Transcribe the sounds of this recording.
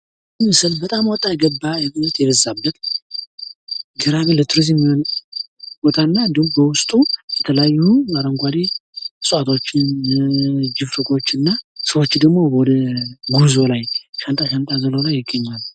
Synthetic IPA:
ɨɨsɨlbət̪ʼamwɔt̪ʼːajɛɡəbːajɛmɨɛt̪jɛbəzːabːət̪ | ɡɨɾaɡɨnlət̪ʰuɾiz̬jɛmːijo̞n | b̥o̞t̪ʰanːad̪ɨwbəwʊst̪ʼujɛt̪ʰələjajːuaɾəŋɡʷad̪isʼuat̪ʰo̞t͡ʃːɪn | d͡ʒɪfɾəkʰʼo̞t͡ʃːɨnːasəwo̞t͡ʃːd̪əɡmo̞bwɔd̪əɡuzo̞lajʃant̪ʼaʃant̪ʼazəlolajːɪɡːəɲːal

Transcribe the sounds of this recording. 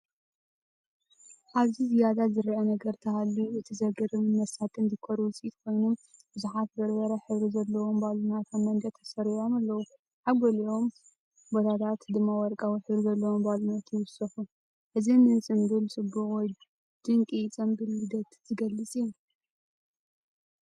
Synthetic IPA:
ʔaβzizijad̪azɨɾʕɐnɐɡɐɾt̪ʰɐhalːuʔɨt̪ʰizɐɡɐɾɨnmɐsat̪ʰʼɨnzɨkʰoɾuwt͡sʼit̪kʰo̞jnumb̥ɨzuħat̪̚bɐɾbɐɾɐħɨβɾizɐlːɐwo̞mbalunat̪ʰamːɐnd̪ɐt̪ʰɐsɐɾiʕomalːɐwu | ħaɡolio̞m | bot̪ʰat̪ʰat̪d̪ɨmːawɔɾkʼawiħɨβɾizɐlːɐwombalunat̪jɪwʊsɐxu | ʔɨzinɨnsʼɨmbɨlsʼɨbːuwɔj | d̪̥ɨŋkʼit͡sʼɐmbɨlːɨd̪ɐt̪z̥ɨɡɐlːɨt͡sʼiju

